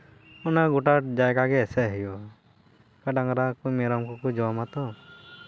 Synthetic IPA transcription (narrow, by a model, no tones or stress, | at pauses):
ɔnaɡɔʈaʈd͡ʒajkaɡɛːsɛɦijɔ | kaɖaŋɾakumɛɾɔmkɔkud͡ʒɔwamat̪ɔ